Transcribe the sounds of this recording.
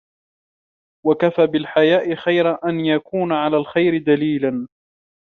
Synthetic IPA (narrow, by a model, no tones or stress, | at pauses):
wakafaːbɪlħajaːʔɪxajɾaʔanjakuːnaʕalaːlxajɾɪd̪aliːlan